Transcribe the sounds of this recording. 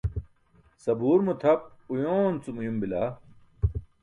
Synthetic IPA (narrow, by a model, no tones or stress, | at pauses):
sɐbuːɾmut̪ʰɐp̚ujoːnt͡sumujumbilaː